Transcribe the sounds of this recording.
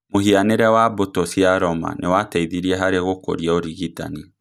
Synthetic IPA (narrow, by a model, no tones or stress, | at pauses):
mohianeɾɛwabotosiaɾɔma̰newatɛiðiɾiɛɦaɾeɣoko̰ɾiɛoɾiɣita̰ni